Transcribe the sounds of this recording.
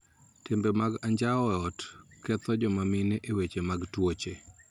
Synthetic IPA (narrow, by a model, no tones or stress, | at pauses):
tɪmbɛmaɡaɲd͡ʒaɔɔtkɛt̪ɔd͡ʒɔmamɪneʔewet͡ʃemaɡtwot͡ʃe